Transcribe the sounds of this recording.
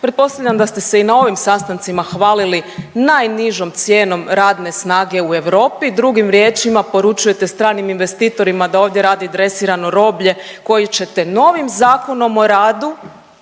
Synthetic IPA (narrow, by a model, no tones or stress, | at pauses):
pɾe̞t̪̚po̞st̪aʋʎʲamd̪ast̪e̞se̞inao̞ʋimsast̪ant̪simaxʋaːlilinajniʒo̞mt̪sje̞ːno̞mɾaːd̪ne̞snaːɡe̞ue̞ʋɾo̞ːpid̪ɾuɡimɾje̞ːt͡ʃimapo̞ɾut͡ʃuje̞t̪e̞st̪ɾaːniminʋe̞st̪iːt̪o̞ɾimad̪ao̞ːʋd̪je̞ɾaːd̪iad̪ɾe̞siːɾano̞ɾo̞ːbʎe̞ko̞jit͡ɕe̞t̪e̞no̞ʋimzaːko̞no̞mo̞ɾaːd̪u